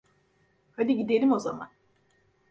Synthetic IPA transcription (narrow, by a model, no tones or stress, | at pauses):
had̪iɟid̪elʲimo̞zama̰n